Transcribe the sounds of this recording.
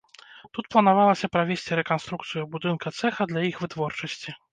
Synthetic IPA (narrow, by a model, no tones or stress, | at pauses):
t̪ut̪̚plˠɐnavalˠɐsʲɐpɾavʲesʲt͡sʲiɾɛkanst̪ɾukt̪sɨjubud̪ɨnkɐt̪sɛxɐd̪lʲɐjixvɨt̪vɔrt͡ʂɐsʲt͡sʲi